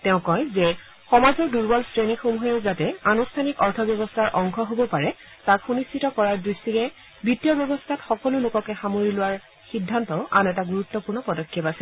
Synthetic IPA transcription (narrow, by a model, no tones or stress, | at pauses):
tɛʊ̃kɔjzɛ | xɔmazɔɹduɹbɔlstɹenixomuɦɛzatɛanustʰanikɔɹtʰɔbjɔbɔstʰaɹʔɔŋxɔɦobɔpaɹɛ | takxunistʰitɔkɔɹaɹdɹistikɛ | bitːijɔbjɔbɔstʰatxɔkɔlʊlʊkɔkɛxamoɹilʊwaɹ | xidʱːantɔʊʔanɛtaɡuɹutːɔpuɹnɔpɔdɔkʰːɛpasɛl